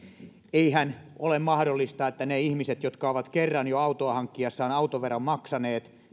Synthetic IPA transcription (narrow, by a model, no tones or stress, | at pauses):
eihænolemmɑhdolːist̪ɑet̪ːæneihmiset̪jot̪kɑoʋɑt̪kerːɑnjoɑut̪oɑhɑŋkːiɑsːɑːnɑut̪oʋerːɑmmɑksɑneːt̪